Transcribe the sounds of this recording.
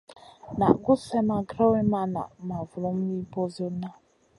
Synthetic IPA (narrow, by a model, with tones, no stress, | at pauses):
na̰˨ɡʊ˦se˦ma˨ɡɾa˦we˦ma˦na̰˨ma˨vʊ˨ɾɔ˨˦m̩˦i˦bɔ˦zo˦na˦